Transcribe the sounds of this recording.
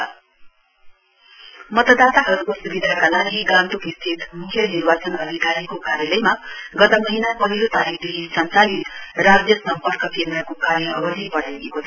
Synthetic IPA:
mʌt̪ʌd̪at̪aɦʌɾukosubid̪ʱakalaɡiɡamt̪ukist̪ʰit̪mukʰjʌnirbat͡sʌnʌd̪ʱikaɾikokaɾjʌlʌjmaɡʌt̪ʌmʌɦinapʌɦilot̪aɾikʰd̪eɦisʌnsanit̪rad͡zjʌsʌmpʌrkʌpʰemɾakokaɾjʌʌbʌsipʌɽeɡekot͡sʰʌ

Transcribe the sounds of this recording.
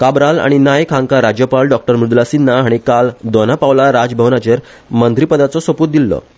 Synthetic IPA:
kabɾala̰ɽ̃inajkʰãŋkaɾad͡ʑjəpalɖɔk̚ʈəɾmɾud̪lasinːaɦaɽ̃ikald̪ɔnapaʋlaɾad͡zbʱəʋnat͡ɕeɾ | mənt̪ɾipəd̪at͡sɔsopuːt̪̚d̪ilːɔ̰

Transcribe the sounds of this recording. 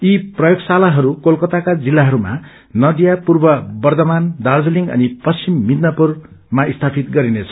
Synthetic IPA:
iprʌjoɡsalaɦʌɾukolkʌt̪akad͡zilːaɦʌɾuma̰ | nʌd̪ijapurbʌbʌrd̪ʌmand̪ard͡zʌliŋʌ̰nipʌst͡simːid̪nʌpur | maist̪ʰapʰit̪ɡʌɾinet͡sʰʌ̥

